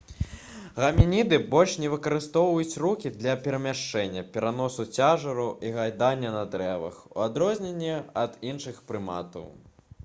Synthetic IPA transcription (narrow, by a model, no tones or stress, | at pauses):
ɣɐmʲinʲid̪ɨbɔlʲʂnʲɛvɨkɐɾɨst̪ɔwvɐjut͡sʲrukʲid̪lʲɐpʲɛɾɐmʲaʂt͡ʂɛnʲːɐpʲɛɾanɔsut͡sʲaʐɐɾuʔiɣajd̪anʲːɐnɐd̪ɾɛvɐ̰xṵad̪ɾɔzʲnʲenʲːɛɐd̪inʂɨxpɾɨma̰t̪ɐ̰w